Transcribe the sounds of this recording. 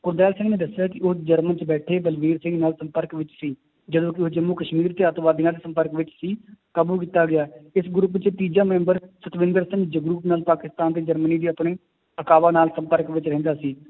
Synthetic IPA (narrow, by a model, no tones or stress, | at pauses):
kʊɾd̪ɛːlsɪ̃ŋɡnẽːd̪əsjaːkɪʊːd͡ʒəɾmənt͡ʃbɛːʈʰeːbəlʋiːɾsɪ̃ŋɡnaːlsəmpəɾkʋɪt͡ʃsiː | d͡ʒəd̪õːkɪoːd͡ʒəmːuːkəʃmiːɾt̪eːət̪ʋaːd̪iːãːd̪eːsəmpəɾkʋɪt͡ʃsiːkəːbuːk̬iːt̪aːɡɪjaːɪsɡɾup̬t͡ʃt̪iːd͡ʒaːmɛ̃ːmbəɾsət̪ʋɪ̃nd̪əɾsɪ̃ŋɡd͡ʒəɡɾuːpnaːlpaːkɪst̪aːnt̪eːd͡ʒəɾməniːd̪iːəpɽ̃eː | əkaːʋaːnaːlsə̃mpəɾkʋɪt͡ʃɾɛɦnd̪aːsiː